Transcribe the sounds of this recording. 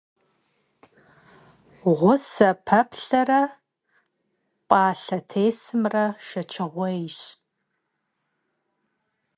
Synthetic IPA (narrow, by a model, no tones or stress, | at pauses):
ʁʷʊsɐpʰɐpʰɬɐrɐ | pʼaːɬɐtʰeːsɨmrɐʃɐt͡ʃʰɨʁʷɔjɕ